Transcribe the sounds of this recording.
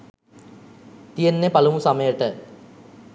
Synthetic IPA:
t̪ijenːepalumusaməjəʈə

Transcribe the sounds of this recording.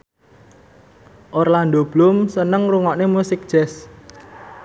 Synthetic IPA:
ʔorland̪ob̥lʊmsənəŋruŋɔʔnemusɪk̚d̥ʒ̥ɛs

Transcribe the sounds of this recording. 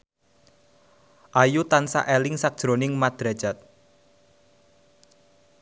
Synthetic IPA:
ʔajut̪ansa̰ʔɛlɪŋsak̚d̥ʒ̥ɾonɪŋmad̪̥ɾḁʒ̥at̪̚

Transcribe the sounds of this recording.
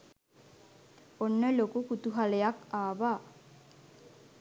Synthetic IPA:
onːəlokukut̪uɦalejakaːʋaː

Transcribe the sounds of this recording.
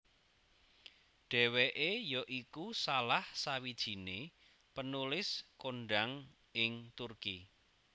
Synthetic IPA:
ɖ̥ɛ̤weʔejɔʔikusalahsawid̥ʒ̥i̤ne | pənulɪskoɳɖaŋ | ɪŋt̪urki

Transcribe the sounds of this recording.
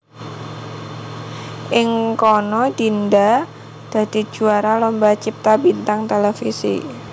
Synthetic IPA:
ʔɪŋkɔnɔd̪̥inda | d̪̥a̤d̪̥i̤̥ʒ̥uaɾalɔmbat͡ʃip̚t̪abint̪aŋt̪elefisḭ

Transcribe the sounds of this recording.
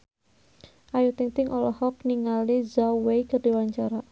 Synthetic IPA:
ʔajut̪ɪŋt̪ɪŋʔɔlɔhɔk̚niŋalizawejkərdiwaɲt͡ʃaɾa

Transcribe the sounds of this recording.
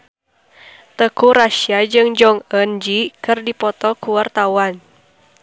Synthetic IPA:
t̪əkuɾaʃiad͡ʒɨŋd͡ʒɔŋənd͡ʒikɨrdipɔt̪ɔkuwart̪awan

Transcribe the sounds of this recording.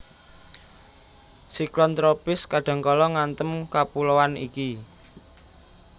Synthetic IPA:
siklɔnt̪ɾopɪskaɖ̥ä̤ŋkɔlɔŋant̪əmkapulowanḭki

